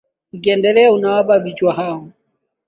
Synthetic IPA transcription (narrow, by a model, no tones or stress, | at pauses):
ikʼɛndɛlɛunawababit͡ʃʼwaɦaŋ̩